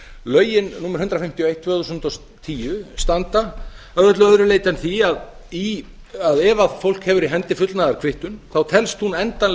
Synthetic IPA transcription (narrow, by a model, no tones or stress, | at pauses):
lœːɥjɪnnuːmɛɾhʏnt̪ɾafɪm̥t̪jiɔoejht̪ʰːvœːθusʏnt̪ɔs | t̪ʰiːjʏst̪ant̪a | œðœt̪lʏœðɾʏleːjt̪ɛnθiaði | aðɛvaðfowl̥khɛvʏɾiɦɛnt̪ɪfʏt̪lnaðaɾ̥kʰvɪht̪ʏnθawt̪ʰɛlst̪hunɛnt̪anl